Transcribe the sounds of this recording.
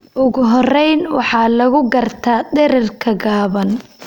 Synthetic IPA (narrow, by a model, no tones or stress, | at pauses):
ʔʊɣʊɦɔrɛjnwɑħɑːlɐɣʊɡɐrt̪ʰaːdɛɾɪrkʰɐɡaːβɐn